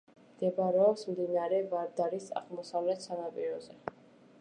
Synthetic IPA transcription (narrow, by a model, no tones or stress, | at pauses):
md̪̥ɛbɾɛɔpsmd̪inaɾɛvaɾd̪aɾisa̰ʁmɔsavlɛt̪sanapʼiɾɔzɛ